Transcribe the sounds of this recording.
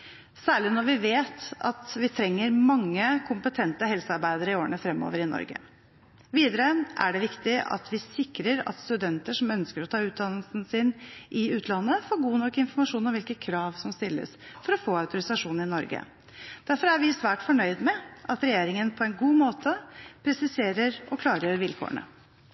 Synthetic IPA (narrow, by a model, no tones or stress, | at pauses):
sæːɭɪnɔɾʋɪʋeːt̪ɑ̰t̪ʋɪt̪ʰɾɛŋːəɾmɑŋːəkʰʊmpət̪ʰɛnt̪əɦɛlsəɑɾbæɪd̪əɾəɪoːɾənəfɾɛmːo̰ːʋəɾɪnɔ̰ɾɡə̰ | ʋiːd̪əɾəʔæ̰ɖɛʋɪkt̪ɪɑ̰t̪ʰʋɪsɪkɾəɾɑ̰t̪st̪ʉd̪ɛnt̪əʂɔmœnskəɾɔt̪ʰɑːʉːt̪̚d̪ɑnlsn̩sɪnʔɪʉːt̪ʰlɑnːəfoːɾɡuːnɔkːɪnfɔɾmɑʂuːnɔmʋɪlkəkʰɾɑːʋsɔmst̪ɪlːə̰sfɔɾɔfoːɑʉt̪ʊɾɪsɑʂuːnnɪnɔɾɡə̰ | d̪̥æɾfɔɾæɾʋɪsʋæːʈfɔɳœʏd̪mɛʔɑt̪ɾɛjeːɾɪŋənpʰɔɛnɡuːmoːt̪ʰəpʰɾɛsɪseːɾəɾɔkʰlɑːɾəjøɾʋɪlkʰo̰ːəɳə̰